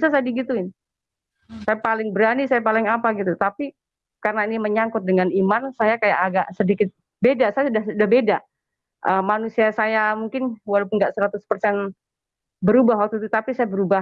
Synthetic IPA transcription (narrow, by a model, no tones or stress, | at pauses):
sasadiɡit̪uɪn | sajapalɪŋbəɾanisajapalɪŋapaɡit̪ut̪api | karənainiməɲaŋkʊt̪̚dəŋanimansajakajaʔaɡaʔsədikɪt̪̚ | bedasajasudahsudahbeda | ʔəmanusiasajamuŋkɪnwalapʊnɡaʔsəɾat̪ʊspərsɛn | bəɾubaɦwak̚t̪ut̪ut̪apisajabəɾuba